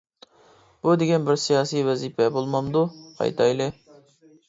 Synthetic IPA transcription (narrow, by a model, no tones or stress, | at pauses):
b̥ud̪eɡʲɛnbɪɾsijɑːsijwɛziːpʰɛbolˠmɑnd̪uqʰɑ̰jt̪ʰɑ̰jlɪ